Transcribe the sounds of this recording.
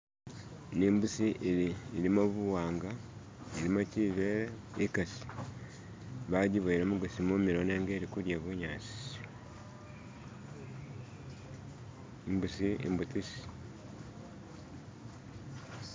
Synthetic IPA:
niːmbusiʔeɾiːɾimoβuwaːŋɡa | iɾimociːβeːɾe | ikasi̥ | βaɟiβoiɾomuɡasimomiɾoneːŋɡeːɾikuɾjeβuɲaːt͡si̥ | imbusiḭmbutisi̥

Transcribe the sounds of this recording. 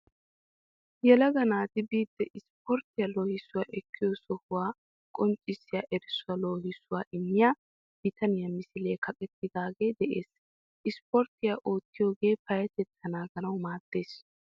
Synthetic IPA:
jɛlɐɡɐnaːt̪ɪbiːd̪ːɛʔɪspʰɔɾt̪ɪjɐloːhɪsːʊwaːʔɛkʰːɪjɔsɔhʊwaː | kʼɔnt͡ʃʼɪsːɪjaʔɛɾɪsʊwɐloːhɪsːʊwaːʔɪnːɪjaː | b̥ɪt̪ʰɐnɪjɐmɪsɪleːkʰɐkʼɛt̪ːɪd̪aːɡe̞ːd̪ɛʔeːs | ʔɪspɔɾt̪ɪjaʔo̞ːt̪ːɪjo̞ːɡe̞ːpɐjɐt̪ɛt̪ːɐnaːɡɐnɐwmaːd̪̥ːe̞ːs

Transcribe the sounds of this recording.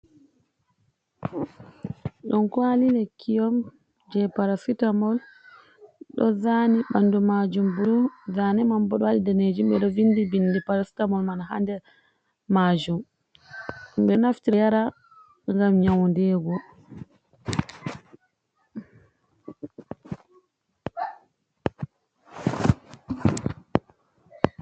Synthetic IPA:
ɗɔnkwalinɛkʰijɔm | d͡ʒɛpaɾasitamɔl | ɗɔzaniɓanːdumad͡ʒumbuɾuzanɛmambɔɗɔhaɗidɛned͡ʒimɓɛɗɔvinːdibindipaɾasi̥tamɔlmanahandɛ | mad͡ʒum | mɓɛnaftiɾɛjaɾa | ŋɡamɲawndɛɡɔ

